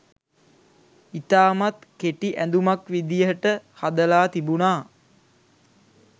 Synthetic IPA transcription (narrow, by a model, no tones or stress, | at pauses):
it̪aːmat̪keʈiʔænd̪umakʋid̪ijəʈəhad̪əlaːt̪ibunaː